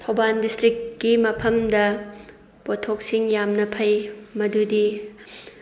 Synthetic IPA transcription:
tʰowbandistɾikːimɐpʰɐmdɐ | potʰːok̚siŋjamnɐpʰɐjmɐdudi

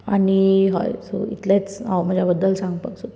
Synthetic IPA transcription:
aɽ̃iɦa̰jso̰ḭt̪lat͡sawm̤əd͡ʑjabəd̪ːəlsãŋɡpəɡso

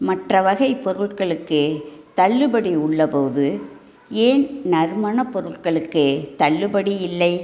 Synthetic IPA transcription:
mɐʈrɐʋɐɣɐɪpɔɾɯɭkɐɭɯkːɯt̪ɐɭːɯbɐɽiʊɭːɐpoːðɯ | eːnnɐɾmɐnɐpɔɾɯɭkɐɭɯkːɯt̪ɐɭːɯbɐɽiɪlːɐɪ

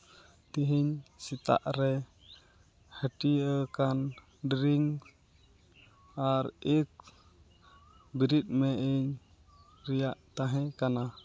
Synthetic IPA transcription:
t̪iɦiɲsit̪a̰ʔɾɛ | həʈiəkan | ɖɾiŋ | aɾik̚ | biɾit̪̚mɛʔiɲ | ɾɛjaʔt̪aɦɛ̃kana

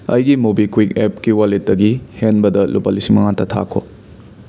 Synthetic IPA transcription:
ɐ̰jɡimobikwikepkiwalet̚dɐɡihenbɐdɐlupalisimɐŋatɐtʰa̰kʰo̰

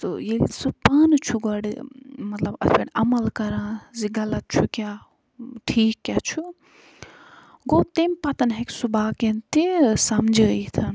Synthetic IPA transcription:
t̪ɨ̰jelḭsupaːnt͡ʃʰuɡɐɽmɐt̪lɐbɐ̰fʰeɽɐmɐlkɐɾãːziɡɐlɐt̪̚t͡ʃʰukʲja | ʈʰiːkːʲat͡ʃʰu | ɡot̪emʲpɐt̪ɐnɦeksubaːkent̪isɐmd͡ʒəit̪ʰɐn

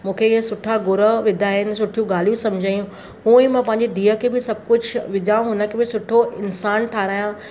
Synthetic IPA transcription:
mũːkʰeɪɦəsʊʈʰaɡʊɾəʋɪd̪ʱaːɦɪnɪ̆sʊʈʰijũɡaːl̤ijũsɐmd͡ʑʱajũ | ɦũːĩːmãːpɐ̃ɦɪɲ̆d͡ʑed̪iːəkʰeːbɪsɐb̚kʊd͡ʑʱʋɪd͡ʑʱaːũɦʊnə̆kʰeːbɪsʊʈʰoʔɪnsaːnʈʰaːɾaːjã

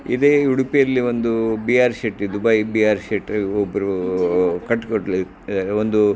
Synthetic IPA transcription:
ḭd̪eːuɽupijɐlːiʋond̪ubiaːɾʃeʈːid̪ubaibiaːɾseʈɾobːɐɾu | kɐʈːkoʈːli | ɾeond̪u

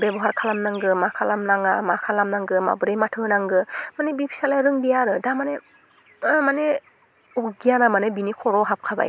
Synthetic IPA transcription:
bebɔɦaɾkʰalamnaŋɡɯmakʰalamnaŋamakʰalamnaŋɡɯma̰bɯɾejmatʰɯnaŋɡɯmanebipʰi̥salajɾɯŋbijaɾɯdamane | mane | uɡijanamanebinikʰɔɾɔɦap̚kʰaba̰j

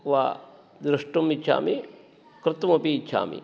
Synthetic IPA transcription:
ʋaː | d̪ɾɐʂʈɐmit͡ʃʰʃʰa̰ːmi | kɾɨt̪umɐpiːt͡ʃʰʃʰa̰ːmḭ

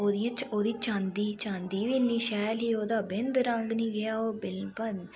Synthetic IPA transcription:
oːd̪iːə̃t͡ʃoːd̪iːt͡ʃãːnd̪iːt͡ʃãːnd̪iːʋiːniːʃɛːlɦiːoːd̪aːbɪnd̪ɾəŋɡnĩːɡɪaːoːbɪlb

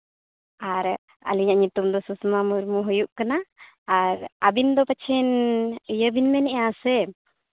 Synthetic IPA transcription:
aɾ | a̰liɲaʔɲut̪umd̪ɔsusmamuɾmuɦujuʔkanaː | ɾabind̪ɔpət͡ʃʰɛnjəbinmɛnɛʔãsɛ

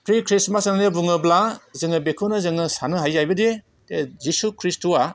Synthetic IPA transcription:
pʰɾikʰɾismasnanebuŋɯblazɯŋɯbekʰunɯzɯŋɯsanɯɦajːajbɐde | tezisukʰɾistua

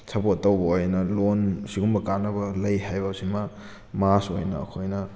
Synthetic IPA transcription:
t͡ʃʰɐbotɐwbɐojnɐlonsiɡumbɐkanːɐbɐlɐjɦajbɐsimɐ | maso̰jnɐ̰ːkʰojnɐ

